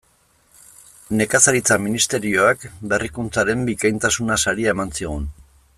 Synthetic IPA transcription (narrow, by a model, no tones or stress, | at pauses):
ne̞kasaɾit͡saminist̪e̞ɾio̞akbe̞rikunt͡saɾe̞mbikajnt̪asunasaɾiae̞mansiɣ̞un